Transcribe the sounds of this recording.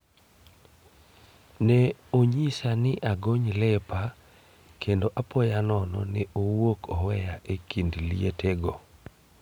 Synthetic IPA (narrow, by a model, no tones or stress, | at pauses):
nɛoɲisanɪʔaɡoɲlɛpa | kendoʔapɔjanɔnɔnɪʔowokʰɔwɛjaʔekindlieteɡo